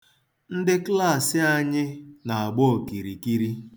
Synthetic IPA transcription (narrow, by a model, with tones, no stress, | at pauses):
n̩˦dɪ˦kla˦˨sɪ˦a˦ɲɪ˦na˨a˨ɡ͡bɔ˦˨ki˨ɾi˨ki˦ɾi˦